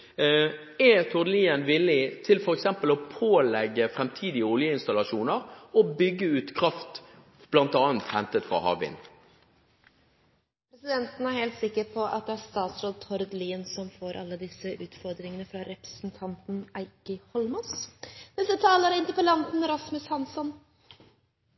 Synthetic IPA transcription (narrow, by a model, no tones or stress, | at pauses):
ɛt̪ʰɔʁd̪əliːənʋɪlːɪt̪ʰɪlfɔɾɛksɛmpəlɔpʰoːlɛɡːəfɾɛmt̪ʰiːd̪ɪəʊljəɪnst̪ɑlɑʃuːnəɾɔbʏɡːəʉːt̪kʰɾɑft̪ | b̥lɑnt̪ɑːnt̪hɛnt̪ət̪fʁɑ̰hɑ̰ːʋɪ̰n | pʰɾɛsɪd̪ɛnt̪n̩æɾheːlt̪sɪkːəɾpʰɔʔɑ̰t̪̚d̪ɛæɾst̪ɑːt̪sɾoːd̪̚t̪ʰɔɾd̪liːənsɔmfoːɾʔɑ̰lːəd̪ɪsːəʔʉːt̪fɔɾd̪ɾɪŋənəfɾɑɾɛpɾɛ̥sn̩t̪ʰɑnt̪n̩æɪkəhɔlmɔsd̪ɛsət̪ʰɑːləɾɪnt̪əɾpəlɑnt̪n̩ɾɑsmʉshɑnsɔn